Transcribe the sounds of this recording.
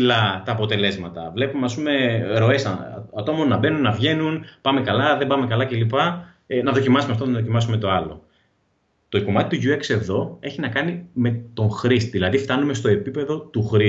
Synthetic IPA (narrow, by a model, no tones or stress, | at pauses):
lɐt̪ɐːpo̞t̪e̞le̞zmɐt̪ɐvle̞pumeɐspume̞ɾo̞e̞sɐɐt̪o̞mo̞nːɐbe̞nunːɐvʝe̞nunpɐme̞kɐlɐðe̞mbɐme̞kɐlɐce̞lipɐ | nɐðo̞cimɐsumeft̪onɐðocimɐs̬ume̞t̪o̞ɐlo̰ | t̪o̞ko̞mɐt̪i̥t̪uʝuekse̞ðo̞e̞çinɐkɐnime̞t̪o̞ŋxɾist̪ðilɐðift̪ɐnume̞st̪o̞e̞pipe̞ðo̞t̪uxɾi